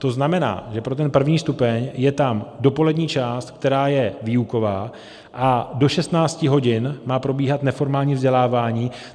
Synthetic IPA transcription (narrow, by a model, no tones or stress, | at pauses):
t̪o̞znamɛna̰ːʒɛpɾo̞t̪ɛnpr̩vɲiːst̪upɛɲjɛt̪amdo̞po̞lɛdɲiːt͡ʃaːst̪kt̪ɛɾaːjɛviːuko̞vaː | ʔado̞ʃɛst̪naːt͡scɪɦo̞ɟɪnmaːpɾo̞biːɦat̪nɛfo̞ɾmaːlɲiːvzɟɛlaːvaːɲiː